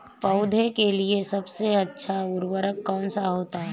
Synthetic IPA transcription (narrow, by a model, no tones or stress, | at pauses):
pɐʊd̪ʱekeliesɐbseɐtːʃʰaʊɾwəɾəkːɔːnsaɦoːt̪aɦɛ